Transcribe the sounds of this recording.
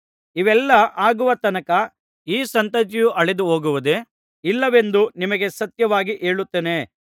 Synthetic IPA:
iʋɛlːɐʔaːɡuʋɐt̪ɐnɐkɐ | iːsɐnt̪ɐt͡ʃijuʔɐɭed̪uɦoːɡuʋɐd̪e̞ | ilːɐʋe̞nd̪unimɐɡe̞sɐt̪jɐʋaːɡiʔeːɭut̪ːeːne̞

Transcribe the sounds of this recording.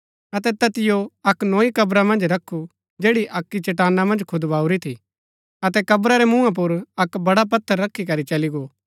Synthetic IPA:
ɐt̪̬ɛt̪ɐt̪ɪjoɐknoːikɐbɾamɐ̃nd͡ʒɾɐkʰːu | d͡ʒeːɽiʔɐkːit͡ʃɐʈaːnːamɐ̃nd͡ʒkʰʊd̪baːuɾit̪ʰḭ | ɐt̪ɛkɐbɾaɾɛmũːãp̬ʊɾɐkbɐɽap̬ɐt̪ʰːəɾːɐkʰːikɐɾit͡ʃɐliɡoː

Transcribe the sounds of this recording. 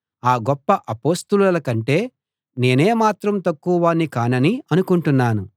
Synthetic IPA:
aːɡɔpːɐʔɐpo̞ːst̪ulɐlɐkɐɳʈe̞ː | ne̞ːne̞ːmaːt̪ɾɐmt̪ɐkːuʋɐʋaːnːikaːnɐniɐnukuɳʈunːaːnu

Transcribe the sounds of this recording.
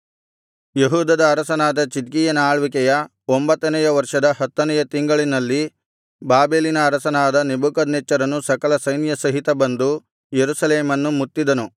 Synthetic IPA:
jeɦuːd̪ɐd̪ɐːɾɐsɐnaːd̪ɐt͡ʃid̪̚ɡijɐnaːɭʋikɛjɐ | ombɐt̪ːɐnɛjɐʋɐɾʂɐd̪ɐɦɐt̪ːɐnɛjɐt̪iŋɡɐɭinɐlːi | baːbeːlinɐːɾɐsɐnaːd̪ɐnebukɐd̪nɛt͡ʃːɐɾɐnːusɐkɐlɐsɐjnjɐsɐɦit̪ɐbɐnd̪u | jeɾusɐleːmɐnːumut̪ːid̪ɐnu

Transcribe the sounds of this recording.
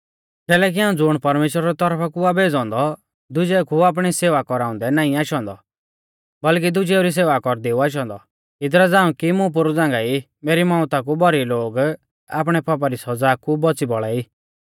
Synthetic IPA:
kɛːlɛk̬iɦãːũd͡zʊɽ̃pɐɾmeːʃɾaɾɛt̪ɔɾpʰakuabeːd͡zɔ̃ːnd̪ɔ | d̪ʊd͡ʒɛkuaːp̬ɽ̃iseːʋakɔɾaːʊ̃nd̪ɛnaːĩaːʃɔ̃ːnd̪ɔ | bɐlk̬id̪ʊd͡ʒɛuɾis̬eːʋakɔɾd̪eːuaːʃ̬ɔ̃ːnd̪ɔ | ɪd̪ɾad͡zãːɽũkimʊ̃p̬ʊɾud͡zãːŋɡai | meːɾimãːʊ̃t̪ak̬ubɔɾiloːɡ | a̰ːp̬ɽ̃ɛpap̬aɾisɔd͡zaːkubɔt͡sibɔɭaːiː

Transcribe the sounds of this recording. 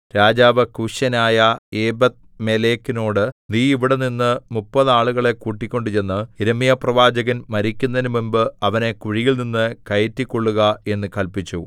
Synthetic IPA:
ɾaːd͡ʑaːʋɐkuɕɐnaːjɐeːbɐt̪̚ | me̞le̞ːkːino̞ːɽɨniːiʋiɽeninːɨmupːɐðɨaːɭuɣɐɭe̞kuːʈːikʲːo̞ɳɖɨt͡ɕe̞nːɨiɾɐmijɐprɐʋaːd͡ʑɐɣɐnmɐɾikʲːunːɐnɨmumbɨɐʋɐne̞kuɻijilninːɨkɐjɐtːikʲːo̞ɭːuɣɐe̞nːɨkɐlpit͡ɕːu

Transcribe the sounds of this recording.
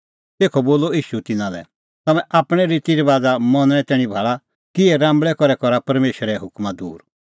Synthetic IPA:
t̪eːkʰɔboːlɔiːʃut̪ɪnãlɛ̰ | t̪ɐmɛ̃ʔaːpɽ̃ɛɾiːt̪iɾiʋaːd͡zamɔnɽ̃ɛ̃t̪ɛːɽ̃ibʱaːɭa | kɪɛɾãːmbɭɛkɔɾɛkɔɾapɐɾmeːʃəɾɛɦʊkmad̪ṵːɾ

